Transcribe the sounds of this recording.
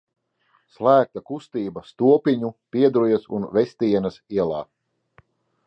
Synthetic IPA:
slˠæːk̚t̪akust̪iːbɐst̪uɔpʲiɲupʲiɛd̪ɾujɐsṵnvɛst̪iɛnɐsiɛlˠaː

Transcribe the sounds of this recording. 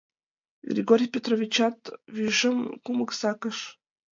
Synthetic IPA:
ɡrʲḭɡoɾʲijpʲet̪rovʲit͡ɕɑt̪vyʒəmkuməksɑkəʃ

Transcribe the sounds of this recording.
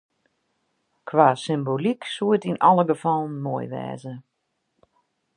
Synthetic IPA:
kʰʋaːsɪmboliksuətinɔlˠəɡəfɔlˠn̩moəjʋɛ̰ːzə

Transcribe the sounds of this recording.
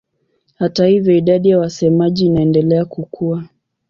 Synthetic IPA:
hatahivjɔiɗaɗijawasɛmaʄiːnaɛndɛlɛakukʰua

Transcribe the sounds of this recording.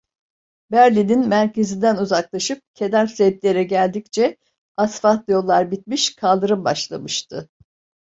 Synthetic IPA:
bæɾlʲininmæɾcʰe̞zind̪ænuzaklˠaʃɯp̚cʰe̞d̪æɾsep̪lʲe̞ɾɛɟælʲd̪ict͡ʃʰɛ | asfat̪jo̞lˠːaɾbit̪̚miʃkʰalˠd̪ɯɾɯmbaʃlˠa̰mɯʃt̪ʰɯ

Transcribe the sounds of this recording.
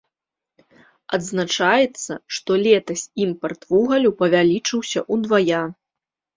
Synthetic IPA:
ɐd̪znat͡ʂajɛt̪sːɐʂt̪ɔlʲɛt̪ɐsʲimpɐrt̪vuɣɐlʲupɐvʲalʲit͡ʂɨwsʲɐʔud̪vaja

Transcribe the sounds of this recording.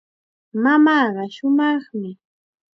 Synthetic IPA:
mamɑːɢɑʃʊmɑχmɪ

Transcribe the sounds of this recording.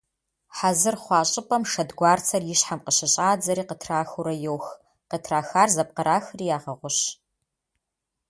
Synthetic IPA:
ħazɨrχʷɑːɕʼɪpʼɐmʂɐdɡʷɑːrt͡sʰɐrjɪɕħamqəɕɐɕʼaːd͡zɐɾiːqətʰraːxʊɾɐjowx | qətʰraːxaːrzɐp̚qɐɾaːxriːjaːʁɐʁʷʊɕ

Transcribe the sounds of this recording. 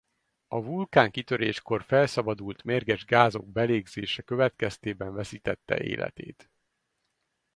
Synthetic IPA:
ɒvulkaːŋkit̪ø̞ɾeːʃko̞rfɛlsɒbɒd̪ult̪meːrɡɛʒɡaːzo̞ɡ̚bɛleːɡzeːʃɛkø̞vɛt̪kɛst̪eːbɛɱvɛsiːt̪ɛt̪ːɛ̰ʔḛːlʔɛ̰t̪ḛːt̪

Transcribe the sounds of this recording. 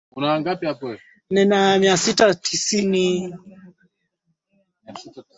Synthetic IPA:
kunaːŋɡapiapɔɛ | ninamiasitatʰisini

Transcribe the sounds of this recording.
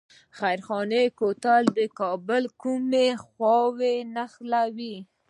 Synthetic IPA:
xajɾxɑnekot̪ald̪əkɑbəlkumexwɑwenaxlawi

